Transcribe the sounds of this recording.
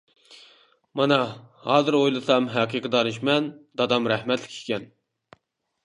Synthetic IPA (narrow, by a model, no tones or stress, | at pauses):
mɑnɑhɑːzɨɾojlˠɨsɑmɦæqʰiqʰəd̪ɑɾɨʃmɛnd̪ɑd̪ɑmɾɛhmɛt̪ʰlɪkʲʰi̥kʲɛn